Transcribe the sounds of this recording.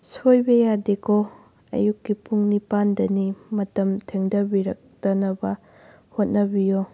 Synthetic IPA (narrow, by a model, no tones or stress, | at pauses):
sojbɐjadekʰo | ɐ̰jukːipuŋnipandɐnimɐtɐmtʰeŋdɐbiɾɐk̚tɐnɐbɐ | hot̚nɐbijo